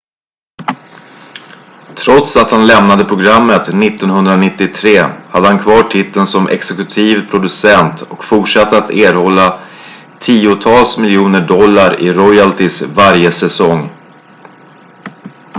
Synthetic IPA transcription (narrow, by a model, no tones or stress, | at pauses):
t̪ʰɾɔt̪sat̪hanlɛmnad̪əpʰɾʊɡɾamːət̪nɪt̪ːɔnhɵnd̪ɾanɪt̪ːɪt̪ʰɾeːhad̪ːəhankʰvɑːʈʰɪt̪ːənsɔmʔɛ̰ksɛkɵt̪ʰiːvpʰɾʊd̪ɵsɛnt̪ɔkfʊʈʂat̪ːəat̪eːɾhɔlːa | t̪ʰiːʊt̪ʰɑːlsmɪljuːnəɖɔlːaɾɪ̰ɾɔjalt̪ɪsvaɾjəsɛsɔŋ